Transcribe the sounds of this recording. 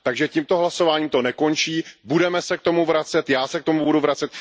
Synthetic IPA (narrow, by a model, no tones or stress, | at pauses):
t̪aɡʒɛciːmt̪o̞ɦlaso̞vaːɲiːmt̪o̞nɛko̞nt͡ʃiːbudɛmɛsɛk̚t̪o̞muvɾat͡sɛt̪jaːsɛkt̪o̞mubuduvɾat͡sɛt̪̚